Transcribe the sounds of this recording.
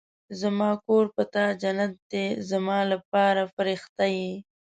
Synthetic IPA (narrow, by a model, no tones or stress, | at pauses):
zamɑkoɾpət̪ɑd͡ʒanat̪̚d̪ezamɑlap̚ɑɾafaɾɪxt̪aji